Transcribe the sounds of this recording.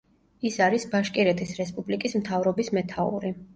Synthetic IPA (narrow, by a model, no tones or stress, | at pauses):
isaɾisbaʃkʼiɾɛt̪ʰisɾɛspʼublikʼismt̪ʰavɾɔbismɛt̪ʰaṵɾi